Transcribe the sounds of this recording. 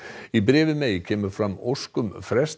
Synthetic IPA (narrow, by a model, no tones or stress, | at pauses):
ibɾɛːvɪmeːjcʰɛːmʏɾfɾamːoskʏmfɾɛst̪